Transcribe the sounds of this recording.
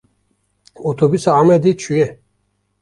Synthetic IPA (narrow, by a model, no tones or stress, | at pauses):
ɔt̪ʰɔbysaamɛd̪it͡ʃʰujɛ